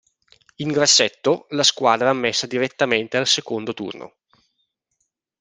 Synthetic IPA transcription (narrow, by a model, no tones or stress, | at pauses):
iŋɡɾasːɛt̪ːolaskwaːd̪ɾaːmːesːad̪iɾet̪ːament̪ealsekond̪ot̪ṵrnʔo̰